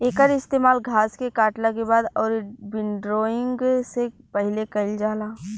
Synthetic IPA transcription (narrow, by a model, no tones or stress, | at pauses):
eːkəɾɪst̪eːmaːlɡʱaːskekaːʈlakebaːd̪ɔːɾbɪɳɖɾoːɪ̃ŋɡse | pɛɦɪlekɐɪld͡ʒaːlaː